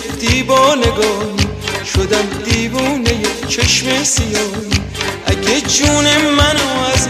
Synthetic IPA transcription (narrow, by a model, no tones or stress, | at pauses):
d̪̥iːbɒːneɡɒːɦiː | ʃod̪æmd̪iːbuːnejet͡ʃʰeʃmesijɒːjiː | ʔækʰed͡ʒuːnemænoæz